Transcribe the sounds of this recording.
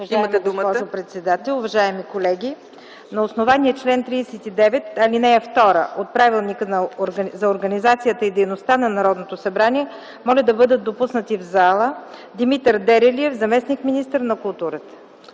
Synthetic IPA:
ʒiməɛd̪ɔʒopɾɛt̪sɛd̪at̪ɛlʲˠʊvɐʒaɛmikolɛɡʲi | nɐosnovaniəɛt͡ʃlɛnt̪ɾiːsɛt̪id̪ɛvɛt̪ɐlinɛɛft̪ɔɾə̰ʔot̪̚pɾavilˠnikənɐɾzɐoɾɡɐnizat̪sijət̪əid̪ɛjnost̪anɐnɐɾɔd̪not̪osɐbɾaniɛ | mɔlʲəd̪ɐbɤd̪ət̪̚d̪opusnət̪ivzalˠəd̪imit̪əɾd̪ɛɾɛliɛvzɐmɛsnikminist̪əɾnɐkʊlˠt̪uɾət̪ə̥

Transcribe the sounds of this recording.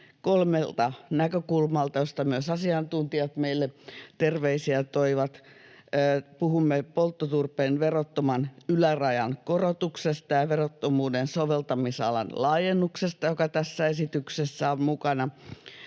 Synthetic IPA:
kolmelt̪ɑnækøkulmɑlt̪ɑjost̪ɑmyøsɑsiɑnt̪unt̪iɑt̪meilːet̪erʋeisiæt̪oiʋɑt̪ː | puhumːepolt̪ːot̪urpeːnʋerot̪ːomɑnylærɑjɑnkorot̪uksest̪ɑjɑʋerot̪ːomuːdensoʋelt̪ɑmisɑ̰lɑ̰nlɑːjenːuksest̪ɑjokɑt̪æsːæesit̪yksesːæommukɑnɑ

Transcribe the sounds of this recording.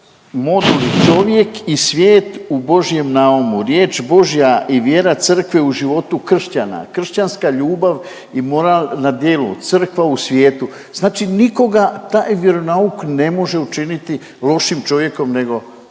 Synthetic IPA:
mo̞d̪ulit͡ʃo̞ʋje̞kisʋjeːt̪ubo̞ʒije̞mnaumuɾjeːt͡ʃbo̞ʒijaʔiʋje̞ːɾat̪sər̩kʋeuʒiʋo̞t̪ukr̩ʃt͡ɕana̰kr̩ʃt͡ɕanskaʎuːbaʋ | imo̞ɾalnad̪je̞ːlṵt̪sər̩kʋausʋjeːt̪u | znaːt͡ʃiniko̞ɡat̪aːjʋje̞ɾo̞naukne̞mo̞ʒe̞ut͡ʃinit̪i | lˠo̞ʃimt͡ʃo̞ʋje̞komne̞ɡo̞

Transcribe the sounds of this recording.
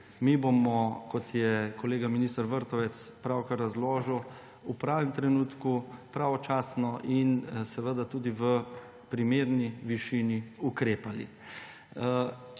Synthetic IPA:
mibomɔkɔt̪jɛkɔleːɡaminist̪aɾʋəɾt̪ɔʋɛt̪spɾawkəɾːazloːʒəw | upɾaːʋɛmt̪ɾɛnuːt̪kupɾaːʋɔt͡ʃaːsnɔʔinsɛʋəd̪at̪uːd̪iʋə | pɾimeːɾniʋiʃiniukɾeːpalḭ

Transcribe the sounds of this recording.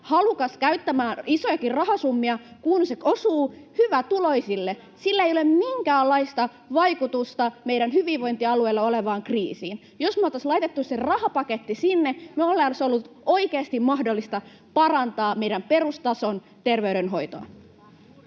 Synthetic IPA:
hɑlukɑskæyt̪ːæmæːnisojɑkirrɑɦɑsumːiɑkunseosuːhyʋæt̪ulo̞isilːe | silːæeijolemmiŋkæːlːɑist̪ɑ | ʋɑjkut̪ust̪ɑmeiɾænɦyʋiʋʋo̞int̪iɑlueilːɑoleʋɑːŋkrḭːsiːn | josmot̪ɑslɑjt̪et̪ːusserɑhɑpɑket̪ːisinːemeolːeːnsolːut̪o̞ikeɑst̪immɑhdolːist̪ɑ | pɑrɑnt̪ɑːmeijɾæmpe̞rust̪ɑson | t̪e̞rʋeyɾenɦo̞jt̪o̰ɑ̰

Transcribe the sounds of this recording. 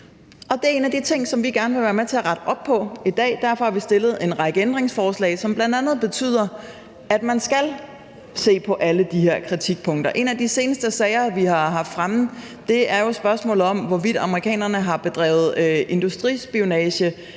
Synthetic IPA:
ɒ̽d̥e̝æɐe̝ːnæd̥it͡sʰe̝ŋ̰sɒ̽mʋiɡ̥æɐnəʋe̝ʋæːɐmet͡sʰe̝æɐʁäɾ̥əʔɒ̽b̥̚pʰɒ̽id̥ɛ̰ːd̥æɐfɒ̽hɑ̈ʋisd̥e̝lð̞̩ˠe̝nʁɑ̈ɡ̥əend̥ʁeŋsfɒːslɛ̰ːɪsɒ̽mb̥lænd̥ænð̩ˠb̥e̝t͡sʰy̰ːð̰ˠɐ | æd̥mænsɡ̥æl | se̝̰ːpʰɒ̽ʔæləd̥ihe̝ɐ̰kʰʁit͡sʰiɡ̥̚pʰɔ̽ŋ̰d̥ɐʔe̝næd̥ise̝ːnəsd̥əsɛɪɐʋihɑ̈ɦɑ̈fd̥fʁamð̩ˠ | d̥e̝æɐjo̝sb̥ɶɐsmɔ̰ːlð̩ˠɒ̽mʋɒʋid̥ɑ̈məʁikʰɛ̰ːnɐnəɦɑ̈b̥e̝d̥ʁɛ̰ːʊð̩ˠøe̝nd̥usd̥ʁḭsb̥ionɛːɕə

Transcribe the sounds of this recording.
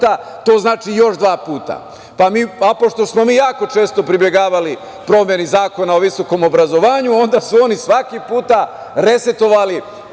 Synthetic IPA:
at̪o̞ːznaːt͡ʃijo̞ʃd̪ʋaːpuːt̪a̰ | pamiːapo̞ʃt̪o̞smo̞miːjaːko̞t͡ʃe̞ːst̪o̞pɾibje̞ɡaːʋali | pɾo̞mje̞nizaːko̞nao̞ʋiso̞ko̞mo̞bɾazo̞ʋaːɲuo̞nd̪asuo̞nisʋakipuːt̪a | ɾe̞se̞t̪o̞ʋali

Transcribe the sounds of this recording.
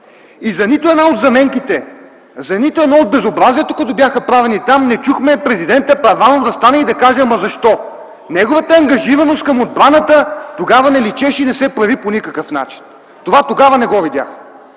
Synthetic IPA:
izɐnit̪ʊɛnaod̪zɐmɛŋkit̪ɛ | zɐnit̪ʊɛnɔod̪̚bɛzobɾaziɛt̪okɐt̪ɔbʲjaxəpɾavɛnit̪amnɛt͡ʃuxmɛpɾɛzid̪ɛnt̪əpɐvanovd̪ɐst̪anɛid̪ɐkaʒɛmɐzɐʃt̪ɔ | nɛɡovɐt̪əɐŋɡɐʒivɐnost̪kɐmod̪̚bɾanət̪ət̪oɡavɐnɛlit͡ʃɛʃinɛsɛpɾɐviponikəkəfna̰t͡ʃi̥n | t̪ovat̪oɡavɐnɛɡɔvid̪ja̰x

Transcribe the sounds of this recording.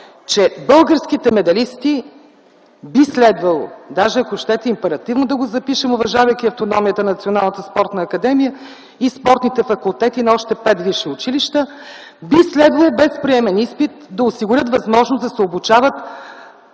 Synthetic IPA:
t͡ʃɛbɤlˠɡəɾskit̪ɛmɛd̪ɐlist̪i | bislɛd̪vɐlˠod̪aʒɛɐkoʃt̪ɛt̪ɛimpɛɾɐt̪ivnod̪ɐɡozɐpiʃɛmʊvɐʒavəjkʲiɐft̪onɔmijət̪ənnɐt̪sionalˠnət̪əspɔɾt̪nəːkɐd̪ɛmijə | ispɔɾt̪nit̪ɛfɐkulˠt̪ɛt̪inɐɔʃt̪ɛpɛt̪viʃɛʊt͡ʃiliʃt̪ə | bislɛd̪vɐlˠobɛspɾiɛmɛnispit̪̚d̪ɐʊsiɡʊɾʲət̪vɐzmɔʒnozd̪ɐsɛobut͡ʃavət̪

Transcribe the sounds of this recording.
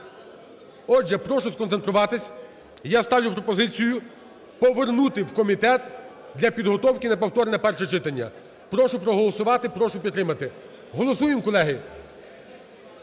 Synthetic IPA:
ɔd͡ʒʒɛpɾɔʃʊskɔnsent̪ɾʊʋɑt̪ɪsʲ | jast̪ɑʋʲjʊpɾɔpɔzɪt͡sʲijʊ | pɔʋernut̪ɪwkɔmʲit̪ɛt̪ | d̪lʲɐpʲid̪ɦɔt̪ɔwkʲɪnɐpɔwt̪ɔɾnɛpɛrʃɛt͡ʃɪt̪ɐnʲːɐ̰ | pɾɔʃʊpɾɔɦɔlˠɔsʊʋɑt̪ɪpɾɔʃʊpʲidt̪ːɾɪmɐt̪ɪ | ɦɔlˠɔsujɪmkɔlˠɛɦɪ

